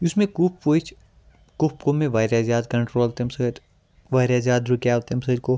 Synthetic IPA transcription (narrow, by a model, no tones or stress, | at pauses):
ʊsmẽkuppoit͡ʃʰ | kʊpkomẽʋaːɾjaːzjaːd̪kɐ̃ɳʈɾoːlt̪emsɐɾ | ʋaːɪɾazjaːd̪ɾukjaːʋt̪emsɐɾko